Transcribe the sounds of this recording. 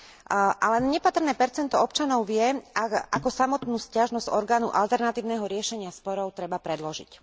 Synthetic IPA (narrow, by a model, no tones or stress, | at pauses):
ʔalɛnɲɛpat̪r̩nɛːpɛɾt͡sɛnt̪ɔɔpt͡ʃanɔʊʋɪɛaa̰kɔsamɔt̪nuːscaʒnɔz̥ɔɾɡaːnṵʔalt̪ɛɾnat̪iːʊnɛɦɔɾɪɛʃɛɲɪaspɔɾɔʊt̪ɾɛbapɾɛd̪lɔʒḭc